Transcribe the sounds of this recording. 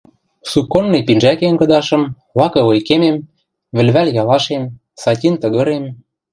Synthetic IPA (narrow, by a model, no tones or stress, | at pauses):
sukːonːepinʒækenkɤ̆d̪ɑʃɤ̆m | βɑkɤ̆ojkemem | βɘ̆lβælʲjɑlɑʃem | sɑtʲint̪ɤ̆ɣɤ̆ɾem